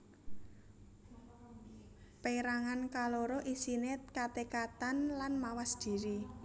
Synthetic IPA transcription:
peɾaŋankaloɾoʔisinet̪kat̪ekat̪anlanmawasd̪̥i̤ɾi

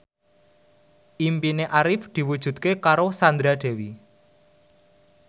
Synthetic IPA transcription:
ʔimpineʔaɾɪfd̪̥i̤wud̥ʒ̥ṳd̪̚kekaɾosand̪ɾaɖ̪̥ɛ̤wi

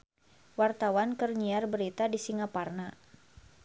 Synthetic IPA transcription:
wart̪awankərɲiarbəɾit̪adisiŋaparna

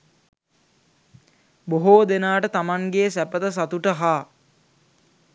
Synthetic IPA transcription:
boɦoːd̪enaːʈət̪amaŋɡeːsæpət̪əs̬at̪uʈəɦaː

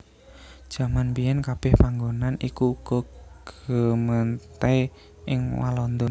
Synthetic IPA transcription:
d̥ʒ̥a̤manbijɛnkab̥ɛhpaŋɡonanikuɡ̥ɔɡ̥əmənt̪e | ʔɪŋwa̰lɔnd̪ʊn

